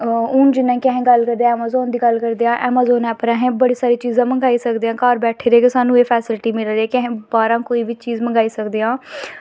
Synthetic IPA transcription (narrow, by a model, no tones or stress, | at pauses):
ʊnd͡ʒɪnːãːkɪɛ̃ɦẽːɡəlkəɾd̪eãːmaːzɔːnd̪iːɡəlkəɾd̪eːãːʔɛːmaːzɔːnɛːpəɾɛɦẽːbəɽiːsaːɾiːt͡ʃiːzãːməŋɡaːiːsəkd̪eãːkaːɾbɛːʈʰeːɾeːkesaːnũːeːpʰɛːsɪlʈiːmɪlɾeɛːkəɦẽːbaːɾãːkoːiːʋiːt͡ʃiːzməŋɡaːiːsəkd̪eːãː